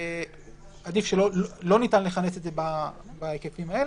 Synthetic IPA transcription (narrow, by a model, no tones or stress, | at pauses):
ad̪ifʃelo̞llo̞nitanleχane̞sedzebabaekefimae̞le